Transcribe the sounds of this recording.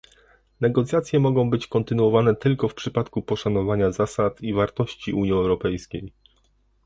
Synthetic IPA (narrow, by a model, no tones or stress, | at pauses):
nɛɡɔt̪sʲjat̪sʲjɛmɔɡɔ̃w̃bɘt͡ɕkɔnt̪ɘnuwɔvanɛt̪ɘlkɔfpʂɘpat̪kupɔʂanɔvaɲazasat̪ivaɾt̪ɔɕt͡ɕiʔuɲiɛwɾɔpɛjskʲej